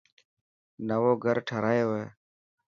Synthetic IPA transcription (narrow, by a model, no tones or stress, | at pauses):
nəʋoːɡʱəɾʈʰəɾaːjoːʋeː